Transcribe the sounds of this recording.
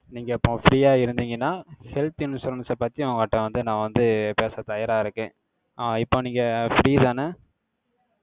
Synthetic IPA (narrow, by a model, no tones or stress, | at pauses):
niːŋɡɐɪpːõːfɾiːaːɪɾɯnd̪iːŋɡɐnːaːhɛlt̪ɪnɯsɔlːɐnɯsɐpɐːt̪ːiɐŋɡɐɐːʈːɐ̃ʋɐnd̪ɯnãːʋɐnd̪ɯpeːsɐt̪ɐjɐɾaːɪɾɯkːẽː | aːɪpːõːniːŋɡɐfɾiːt̪aːnɐ